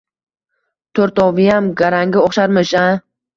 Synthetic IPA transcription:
t̪ʰoɾt̪ɒvɪjamɡaɾaŋɡʲɪɒχʃaɾmɪʃa

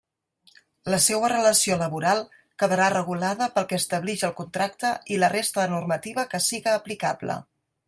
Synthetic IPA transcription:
ləsɛwərələsioləβuɾalˠ | kəðəɾarəɣ̞ulaðəpəlˠkɛəst̪əβliʃəlˠkunt̪ɾak̚t̪əilərest̪əðənurmət̪iβ̞əkəsiɣəːplikablə̰

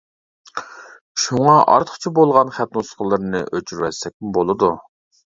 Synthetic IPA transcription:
ʃuŋɑʔɑ̰ɾt̪ʰə̥χt͡ʃʰibolˠʁɑnχæp̪nusqʰəlˠɨɾnɨ̰ʔøt͡ʃʰyɾwɛsɛk̚ʲɪbolˠɨd̪u

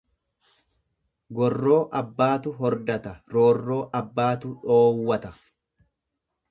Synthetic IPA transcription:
ɡɔrːo̞ːʔɐbːaːt̪ʊɦɔɾd̪ɐt̪ɐɾo̞ːrːo̞ːʔɐbːaːt̪ʊᶑoːwːɐt̪ɐ

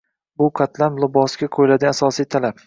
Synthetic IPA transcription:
bʊqʰɑt̪ʰlamlˠʊbɒsɡʲaqʰojlad̪ɪasɒsijt̪ʰalap

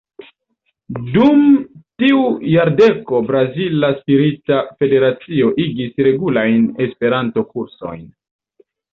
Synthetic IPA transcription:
dumtiujaɾde̞ko̞bɾazilaspiɾitafe̞de̞ɾat͡sio̞ʔiɡisɾe̞ɡulajne̞spe̞ɾanto̞kuɾso̞̰jn

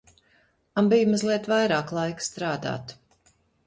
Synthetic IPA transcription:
ambijmɔzlˠiɛt̪vajɾaːklˠajkst̪ɾaːd̪a̰ːt̪

